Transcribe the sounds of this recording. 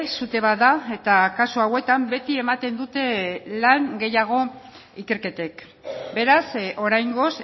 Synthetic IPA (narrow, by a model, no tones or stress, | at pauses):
sut̪e̞βaðae̞t̪akasuawe̞t̪ambe̞t̪ie̞mat̪e̞nd̪ut̪e̞laŋɡe̞jaɣ̞o̞ | ike̞ɾke̞t̪e̞k | be̞ɾaso̞ɾajŋɡo̞s